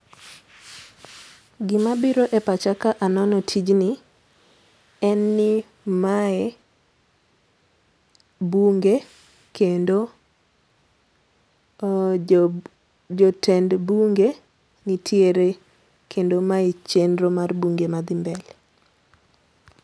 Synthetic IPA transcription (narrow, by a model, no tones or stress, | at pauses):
ɡɪmabiɾoʔepat͡ʃakaʔanɔnɔtʰid͡ʒnɪ | ɛnːɪ | maɛ | buŋɡe | kendo | d͡ʒotʰɛndbuŋɡe | nitʰjeɾe | kʰendomait͡ʃenɾomarbuŋɡemad̪ɪmbɛl